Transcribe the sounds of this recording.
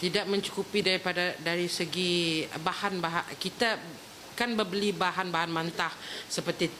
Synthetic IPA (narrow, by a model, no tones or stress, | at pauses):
t̪idak̚mə̃ɲt͡ʃu̥kupidaɾipadadaɾisəɡibahanbaɦakit̪a | kanbəbəlibaɦanbaɦanmãnt̪ahsəpərt̪i